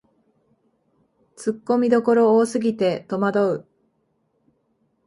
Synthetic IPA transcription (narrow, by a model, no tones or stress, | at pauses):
t͡sɨkːo̞mʲid̪o̞ko̞ɾo̞ːsɨɡʲit̪e̞t̪omad̪o̞ɯ̟